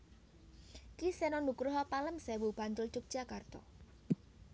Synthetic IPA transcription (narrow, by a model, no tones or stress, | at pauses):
kisɛnɔnukɾʊɦɔpaləmsɛwub̥ant̪ʊlt͡ʃʊk̚d̥ʒ̥akart̪ɔ̰